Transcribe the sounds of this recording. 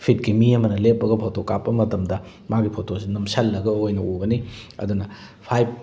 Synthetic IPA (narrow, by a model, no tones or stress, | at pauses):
pʰit̚kimiɐmɐnɐlepːɐɡɐpʰotokapːɐmɐtɐmdɐ | maɡipʰotosinɐmsɐlːɐɡɐojnɐuɡɐniɐ̰dunɐ | pʰajp̚